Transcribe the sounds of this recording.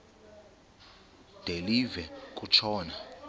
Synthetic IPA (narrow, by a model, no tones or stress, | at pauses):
d̥elivɛk̬ʼut͡ʃʰɔːna